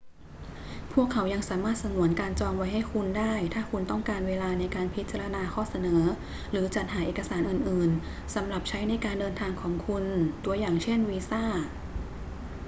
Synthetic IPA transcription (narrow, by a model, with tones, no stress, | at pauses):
pʰu˥˩əkʰːa˩˦wja˧ŋsaː˩˦maː˥˩t̪̚sa˧nu˨˩˦ənkaː˧nt͡ɕɔː˧ŋwa˧˥jɦha˥˩jkʰu˧ndaː˥˩jt̪ʰaː˥˩kʰu˧nt̪ɔ˥˩ŋkaː˧nweː˧laː˧na˧jkaː˧npʰi˦˥t̪̚t͡ɕa˧ɾa˧naː˧xʰɔː˥˩sa˧nɤː˩˦ | ɾɯː˩˦t͡ɕa˨˩t̪̚haː˩˦˥ʔeː˨˩kːa˧saː˩˦nʔɯː˨˩nʔɯː˨˩n | sa˩˦mɾa˨˩p̚t͡ɕʰa˦˥jna˧jkaː˧ndɤː˧nt̪ʰaː˧ŋkʰɔː˩˦ŋkʰu˧nt̪u˧ɐjaː˨˩ŋt͡ɕʰe˥˩nwiː˧saː˥˩